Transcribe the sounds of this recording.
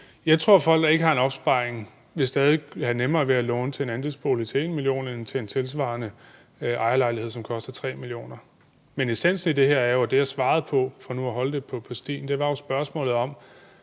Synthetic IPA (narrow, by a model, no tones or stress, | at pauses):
jɑ̈ɪt͡sʰʁo̝ɐ̰fɒ̽l̰ɡd̥ɑ̈e̝ɡ̥əhɑ̈e̝nɒ̽b̥sb̥ɑ̈ɪ̰ʁeŋ | ʋe̝sd̥ɛːð̞ˠihænemɐːʋeælɔːnət͡sʰe̝enænd̥esb̥oːlit͡sʰe̝e̝̰nmilijo̝̰ːnent͡sʰe̝e̝nt͡sʰe̝ls̬ʋɑ̰̈nə | ʔɑ̈ɪɐlɑ̈ɪlihe̝ð̰ˠsɒ̽mkʰɒ̽sd̥ɐt͡sʰʁɛ̰ːmilio̝̰ːnɐ | menesen̰sn̩id̥e̝ɦeɐ̰æɐjo̝æd̥e̝jɑ̈ɪsʋɑ̈ːð̞̩ˠpʰɒ̽fɒ̽nuæɦɒ̽ləd̥e̝pʰɒ̽pʰɒ̽sd̥ḭːnd̥e̝ʋɑ̈jo̝sb̥ɶɐsmɔ̰̽ːlð̩ˠɒ̽m